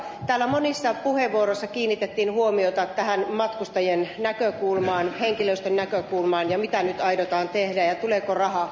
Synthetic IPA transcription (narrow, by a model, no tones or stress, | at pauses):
t̪æːlːæmonisːɑpuheʋːuoroisːɑkiːnːit̪et̪ːiːnhuomiot̪ɑt̪æhænmɑt̪kust̪ɑjennækøkulmɑːnheŋkiløist̪ønːækøkulmɑːnjɑmit̪ænyt̪ɑiɾot̪ɑːnt̪ehdæjɑt̪uleːkorɑhɑ